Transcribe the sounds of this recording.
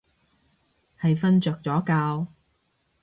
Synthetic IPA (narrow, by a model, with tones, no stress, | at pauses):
hɐ˨jfɐ˥nt͡ʃœː˨k̚t͡sɔː˨˥kaː˧w